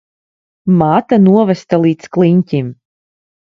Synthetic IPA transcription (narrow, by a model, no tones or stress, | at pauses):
maːt̪anuɔvɛst̪alˠiːt̪sklˠiɲʲcʲim